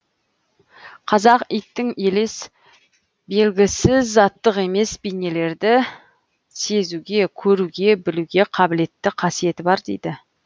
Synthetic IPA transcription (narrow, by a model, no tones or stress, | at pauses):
qʰɑzɑqijt̪ːɪŋe̞les | be̞lɡʲɪsɪzːɑt̪ːəqe̞me̞sbijne̞le̞ɾd̪ɪ | se̞zuɡʲe̞kʲʰɵɾuɡʲe̞bɪluɡʲe̞qʰɑbɪle̞t̪ːɪqʰɑsije̞t̪ɪbɑɾd̪e̞̰jd̪ɪ